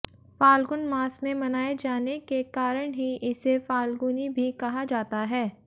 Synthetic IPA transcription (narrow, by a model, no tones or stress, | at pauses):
faːlɡʊnmaːsmẽmɐnaːed͡ʒaːnekekaːɾəɽ̃ɦiʔɪsefaːlɡʊnibʱikɐɦad͡ʒaːt̪aɦɛː